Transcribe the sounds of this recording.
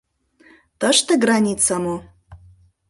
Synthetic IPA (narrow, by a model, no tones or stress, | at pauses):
t̪əʂt̪əɡranʲit͡sʰamu